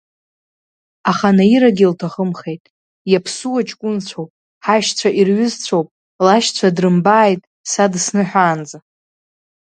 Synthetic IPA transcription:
aχanaiɾaɡʲiltʰaχəmχe̞jtʼ | japʰsuwat͡ʃʼkʷʼʊnt͡sʷʰowpʼ | ħaʃt͡sʷʰaʔirɥʏzt͡sʷʰowpʼ | laʃt͡sʷʰadrɨmbaːjtʼ | sadsnɨħʷᶣaːnd͡za

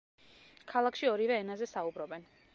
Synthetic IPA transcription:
kʰalˠakʰʃiɔɾivɛːnazɛsaubɾɔbɛn

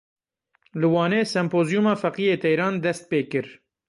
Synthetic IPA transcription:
lɨwɑːneːsɛmpoːzijumɑːfɛqijeːt̪ʰɛjɾɑːnd̪ɛst̪̚peːkɨɾ

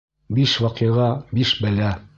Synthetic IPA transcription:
biʃwɑqiʁɑbiʃbɘ̆læ

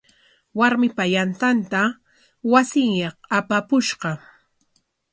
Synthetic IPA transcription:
waɾmɪpajant̪ant̪a | wasɪŋjɑχapapʊʃɢɑ

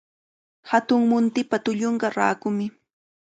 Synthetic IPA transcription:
hat̪ʊŋmʊnt̪ɪpat̪ʊʎoɴɢɑɾa̰ːkʊmɪ

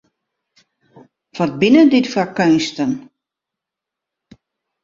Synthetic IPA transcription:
fɔt̚bɪnədɪtfɔkønstən

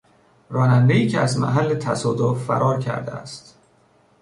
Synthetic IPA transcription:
ɾɒːnænd̪eiːcʰeæzmæ̰ɦælːet̪ʰæsɒːd̪offæ̰ɾʔɒːɾcʰæ̰ɾd̪eæ̰st̪

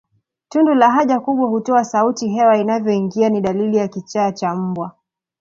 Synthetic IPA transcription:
tundulaɦaʄakuɓwahutɔasautiɦɛwainavjɔiŋɡianiɗalilijakit͡ʃaːt͡ʃam̩bwa

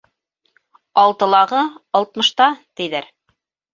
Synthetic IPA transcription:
ɑlˠt̪ɤ̆lˠɑʁɤɑlˠt̪̚mɤ̆ʃt̪ɑt̪ɘ̆jðæɾ

